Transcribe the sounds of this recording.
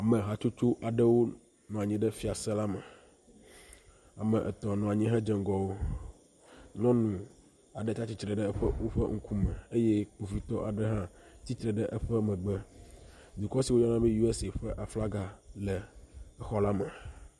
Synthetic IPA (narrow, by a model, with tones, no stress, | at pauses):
a˨mɛ̃˨ɦa˨t͡ʃu˦t͡ʃu˦ʔa˨ɖɛ˦wo˦ | nɔ̃˨a˨ɲĩ˦ɖɛ˦fi˦a˨sɛ˦la˦mɛ˨ | a˨mɛ̃˨ʔɛ˨t̪ɔ˨nɔ̃˨a˨ɲĩ˦ɦɛ˦d͡ʒɛ˨ŋɡɔ˨wo˦ | nɔ̃˦nũ˨ | a˨ɖɛ˦t̪a˦t͡ɕi˦t͡ʃɾɛ˨ɖɛ˦ɛ˦ɸə˦wo˦ɸɛ˦ŋ̩˦ku˦mɛ̃˨e˦je˦k͡pu˨vi˦t̪ɔ˦ʔa˨ɖɛ˦ɦã˦t͡ɕi˦t͡ʃɾɛ˨ɖɛ˦ʔə˦ɸɛ˦mɛ̃˨ɡ͡bɛ˦ | d̪u˨kɔ˦si˨wo˦ɲɔ˦nã˦bĩ˦ju˦e˦si˨ɸɛ˦ʔa˨fla˦ɡa˨lɛ˨ɛ˦xɔ˦la˦mɛ˨